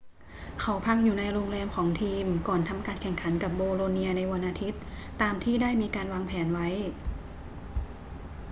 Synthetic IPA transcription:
kʰa˩˦wpʰa˦˥k̚juː˨˩na˧jɾoː˧ŋɾɛː˧mkʰɔː˩˦ŋt̪ʰiː˧mkɔː˨˩nt̪ʰa˧mkaː˧nkʰɛ˨˩ŋkʰa˩˦nka˨˩p̚boː˧ɾoː˧ni˧ɐna˧jwa˧nʔaː˧t̪ʰi˦˥t̪̚ː | aː˧mt̪ʰiː˥˩daː˥˩jmiː˧kaː˧nwaː˧ŋpʰɛː˩˦nwa˦˥j

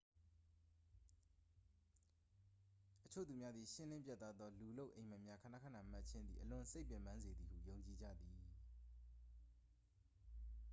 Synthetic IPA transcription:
ʔət͡ɕʰo̰˦˨t̪u˨mja˦d̪ði˨ʃɪ̃˦nlɪ̃˦mpja˦t̪ːa˦d̪ðɔ˦lu˨lo˦ʊʔẽ˨ɪ̃mə˨mja˦kʰã˨na̰˦kʰã˦˨nã˨ʔma˦˨tt͡ɕʰɪ̃˦nd̪ḭ˨ʔəlʊ̃˨se˦ɪpjɛ̃˨mã˦nze˨d̪i˨hṵ˦˨jõ˨ʊ̃ɲt͡ɕi˨d͡ʑa̰˦˨d̪ði˨

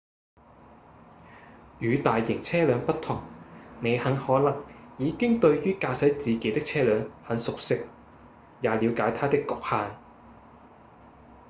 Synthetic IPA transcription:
jyː˨˥t̪aː˨jːɪ˨˩ŋt͡sʰɛː˥lœː˨˧ŋpɐ˥tt̪ʰʊ˨˩ŋne˨˧jhɐ˨˥ŋhɔː˨˥lɐ˨˩ŋjiː˨˧kɪ˥ŋt̪ɵ˧ɥjyː˥kaː˧sɐ˨˥jt͡siː˨ke˨˥jt̪ɪ˥k̚t͡sʰɛː˥lœː˨˧ŋhɐ˨˥nsʊ˨k̚sɪ˥k̚ | jaː˨˧liː˨˧wkaː˨˥jt̪ʰaː˥t̪ɪ˥kːʊ˨k̚haː˨˧n

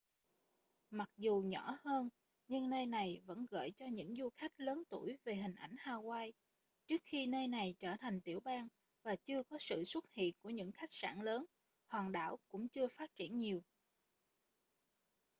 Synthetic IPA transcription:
ma˨˩k̚zu˨˩ɲɔ˧˥həː˧n | ɲɨ˧ŋnəː˧jna˨˩jvə̰˧˥nɣə̰ː˧˨jt͡ɕɔ˧ɲɨ̰˧˥ŋzu˧xa˦˥jk̟̚ləː˨˦nt̪u˧˩jve˨˩ɦï˨˩ŋ̟ʔa˧˩jŋ̟haː˧˩ɣwaː˧j | t͡ɕɨ˦˥ək̚xi˧nəː˧jna˨˩jt͡ɕəː˧˩t̪ʰa˨˩ŋ̟t̪i˧˩əwɓaː˧ŋ | vaː˨˩t͡ɕɨ˧əkɔ˨˦sɨ̰˧˨swə˦˥t̚hḭ˧˨ənku˧˩əɲɨ̰˧˥ŋxa˦˥jk̟̚sa̰ː˧˩nləː˨˦n | hwaː˨˩nɗa̰ː˧˩wkʊ̰˧˥ŋ͡mt͡ɕɨ˧əfaː˦˥t̚t͡ɕḭ˧˩ənɲi˨˩əw

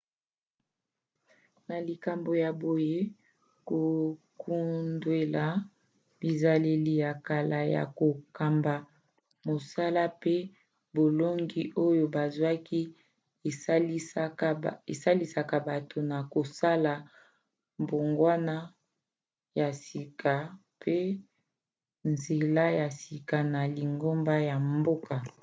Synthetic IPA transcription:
na˨li˨ka˨mbo˨ja˨bo˨je˦ | ko˨kʰu˦ndwe˨la˨ | bi˨za˨le˦li˦ja˨ka˨la˨ja̰˨ko˨ka˨mba˨ | mo˨sa˦la˦pe˦ | bo˨lo˦ŋɡi˦ʔo˦jo˨ba˨zwa˦ki˦˨˦ | e˨sa˦li˦sa˨ka˨ba˨to˨na˨ko˨sa˦la˨ | bo˨ŋɡwa˦na˦ | ja˨si˨kʰa˨ | pʰe˦ | nze˨la˦ja˨si˨ka˨na˨li˨ŋɡo˦mba˦ja˨mbo˦ka˨

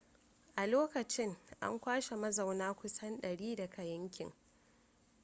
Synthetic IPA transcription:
ʔa˨loː˦kɐ˨t͡ʃɪ˦ŋʔa̰˦ŋkʷaː˦ʃe˨mɐ˦za˨wnaː˦kʷʊ˦sɐ˦nɗɐ˨ɽiː˦dɐ˨kʰɐ˨jɐ˦ŋkʲɪ˨ŋ

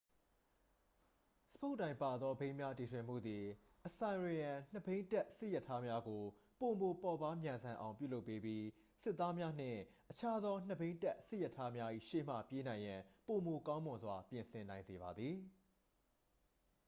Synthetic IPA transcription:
sə̥pʰo˦ʊʔtːã˨ɪ̃mpa˨d̪ðɔ˦bẽ˦ɪ̃mja˦ti˨tʰwɪ̃˨m̥ṵ˦˨d̪ði˨ | ʔəsã˨ɪ̃ɹe˨jã˨n̥ə˨bẽ˦ɪ̃ntɛ˦ʔsɪ˦ʔjɛ˦˨tʰːa˦mja˦ɡo˨po˨mo˨pɔ˨ba˦mjã˨nzã˨ʔã˨ʊ̃p̬jṵ˦˨lo˦pːe˦pji˦ | sɪ˦t̪ːa˦mja˦n̥ɪ̰̃˦˨ʔət͡ɕʰa˦d̪ðɔ˦n̥əbẽ˦ntɛ˦ʔsɪ˦ʔjɛ˨tʰːa˦mja˦ʔḭ˦˨ʃḛ˦˨m̥ä̰˦˨pje˦nã˨ɪ̃jã˨po˨mo˨kã˦ʊ̃mʊ̃˨nzwa˨pjɪ̃˨nsʰɪ̃˨nã˨ɪ̃nze˨ba˨d̪ði˨

